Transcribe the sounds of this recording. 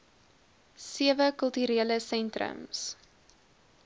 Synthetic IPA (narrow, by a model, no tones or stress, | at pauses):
siəvəkəlˠtyɾiələsɛntrə̰ms